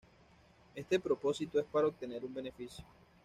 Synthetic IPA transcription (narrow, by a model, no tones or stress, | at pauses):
e̞st̪e̞pɾo̞po̞sit̪oe̞spaɾaop̚t̪ene̞ɾumbe̞ne̞fisjo